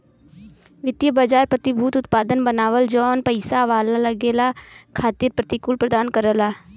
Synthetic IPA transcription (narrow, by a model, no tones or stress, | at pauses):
ʋɪt̪jəbaːd͡ʒaːɾpɾət̪ɪbʱuːt̪ʊt̪paːd̪ənbənaːʋəld͡ʒɔːnpəɪsaʋaːlaləɡeːlakʰaːt̪iːɾpɾət̪ɪkʊlpɾəd̪aːnkəɾəlaː